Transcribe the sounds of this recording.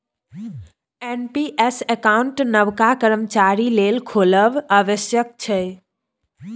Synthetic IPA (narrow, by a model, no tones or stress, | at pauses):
enpiʔesekauɳʈnəʋkakəɾəmt͡ʃaɾilelkʰoləbəʋəsjək̚t͡ʃʰə